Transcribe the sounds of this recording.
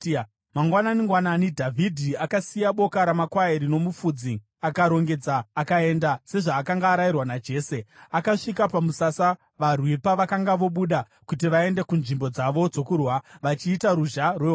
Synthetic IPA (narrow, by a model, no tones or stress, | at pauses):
maŋɡwananiŋɡwananidʱavʱidʱiakasijaɓo̞kaɾamakwaeɾino̞mufud͡zi | akaɾo̞ŋɡe̞d͡zaːkae̞ndase̞ʐaːkaŋɡaːɾajirwanad͡ʒe̞ːse̞akaʂikapamusasa | ʋarwipaʋakaŋɡaʋo̞ɓuɗa | kut̬iʋae̞nde̞kunʐimbo̞d͡zaʋo̞d͡zo̞kurwaʋat͡ʃiːtaɾuʒarwe